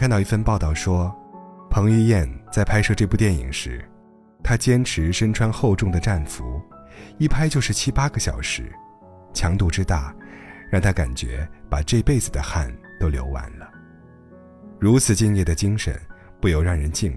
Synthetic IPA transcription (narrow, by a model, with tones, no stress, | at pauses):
t̪ɑ˥˧ʊi˥˧˩fə˥˧npɑ˥˧ʊt̪ɑ˥˩ʊʂwɔ˥pʰɤ˧˥ŋy˥˧jɛ˥˧nt͡sa˥˩ɪpʰa˥ɪʂɤ˥˧ʈ͡ʂɤ˥˧pu˥˧t̪jɛ˥˩nḭ˨˩ŋʂɻ̩˧˥ | t̪ʰa˥t͡ɕjɛ˥nʈ͡ʂʰɻ̩˧˥ʂə˥nʈ͡ʂʰwa˥nxo˥˧ʊʈ͡ʂʊ˥˩ŋd̪ə˩ʈ͡ʂa˥˩nfu˧˥i˥˩pʰa˥ɪt͡ɕjo˥˧ʊʂɻ̩˥˩t͡ɕʰi˥pa˥ɡə˨˩ɕjɑ̰˨˩ʊʂɻ̩˧˥ | t͡ɕʰjɑ˧˥ŋt̪u˥˩ʈ͡ʂɻ̩˥t̪a˥˩ɻɑ˥˩ŋt̪ʰa˥ka̰˨˩nt͡ɕɥɛ̰˧˥pa˨˩ʈ͡ʂɤ˥˧pe˥˩ɪd͡zɹ̩˨˩d̪ə˩xa˥˩nt̪o˥ʊljo˧˥ʊwa̰˧˥nlə˧ | ɻu˧˥t͡sʰɹ̩˨˩t͡ɕi˥˧ŋjɛ˥˩d̪ə˩t͡ɕi˥ŋʂə̰˧˥˦npu˥˩jo˨˩ʊɻɑ˥˩ŋɻə˧˥nt͡ɕi˥˧n